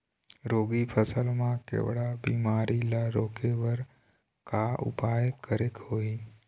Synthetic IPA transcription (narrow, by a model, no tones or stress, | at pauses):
ɾoːɡipʰəsəlmãkḛːʋɽabḭːmaːɾilaɾoːkeʋəɾ | kaːʔʊ̰paːjəkːəɾekhoːiː